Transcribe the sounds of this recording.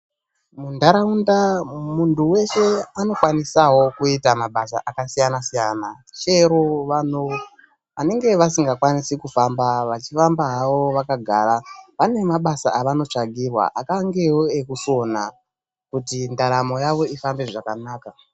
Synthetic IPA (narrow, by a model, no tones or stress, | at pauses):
mundaɾaundamuntuwe̞ʃe̞ano̞kwanisawo̞kuitamaɓasa̰ʔakasijanasijana | t͡ʃe̞ɾoʋano | ʋane̞ŋɡe̞ʋasiŋɡakwanisikufambaʋat͡ʃifambaɦaʋo̞ʋakaɡʱaɾaʋane̞maɓasaʔaʋano̞t͡ʂaɡʱirwa̰ʔakaŋɡe̞woekuso̞na | kutindaɾamo̞jaʋo̞ifambe̞ʐakanaːka